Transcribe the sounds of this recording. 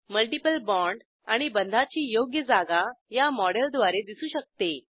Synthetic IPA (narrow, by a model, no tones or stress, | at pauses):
məlʈipəlbɔ̃ɳɖ | aɽ̃ibənd̪ʱat͡ɕiːjoɡjəd͡zaɡajamɔɽeld̪ʋaɾed̪isuːɕək̚t̪e